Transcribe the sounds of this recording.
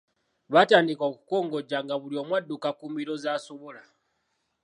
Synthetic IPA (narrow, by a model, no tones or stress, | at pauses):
βataːndikoku̥ko̞ːŋɡo̞ɟaŋɡaβulio̞ːmwadːukakumbiɾo̞zaːso̞βola